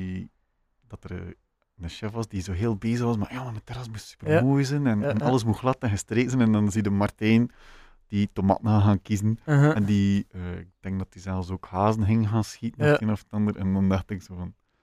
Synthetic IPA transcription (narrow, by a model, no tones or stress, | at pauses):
i | d̥ɑtər | nəʃɛfʋɑsdizoːɦeːlˠbeːzəxʋɑsmaːrjaːmadətɛɾɑsmussy̥pərmoːjzənɛnɑlˠəs̬muxlˠɑtɛnɣəstreːtzɛnɛndɑnzidəmɑrtɛn | d̥itoma̰ːtən̩haːxaːnkizənɛndiəːɪk̚d̥ɛŋk̚dɑtizɛlˠfsoːkhaːzənɦɪŋənɣaːnsxitən̩ɛenɔfə̥tɑndərɛndɔndɑxtɪksoːvɑn